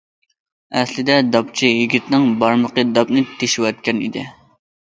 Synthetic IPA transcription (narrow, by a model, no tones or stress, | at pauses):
ɛslɪd̪ɛd̪ɑp̚t͡ʃʰijiɡʲit̪nɪŋbɑɾməqəd̪ɑpnɨt̪ʰeʃɪwɛt̪̚kʲɛnḭd̪ɪ̰